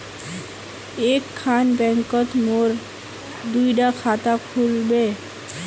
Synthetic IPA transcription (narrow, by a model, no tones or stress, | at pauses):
ekʰːanbɛŋkot̪moɾ | d̪ujɖakʰat̪akʰulbe